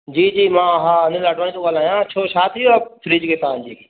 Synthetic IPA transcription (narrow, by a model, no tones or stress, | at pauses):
d͡ʑiːd͡ʑiːmãːɦaːɐnɪ̃laːɖʋaːnĩt̪oɡaːlaːjãt͡ɕʰoːʃaːt̪ʰɪjoafɾiːd͡ʑkʰeːt̪ãd͡ʑiː